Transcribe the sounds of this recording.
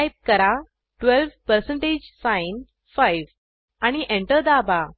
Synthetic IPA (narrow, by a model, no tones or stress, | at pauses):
jp̚kəɾa | ʈʋelʋpəɾsəɳʈed͡ʑsãjn | fajʋ | aɽ̃iʔeɳʈəɾd̪aba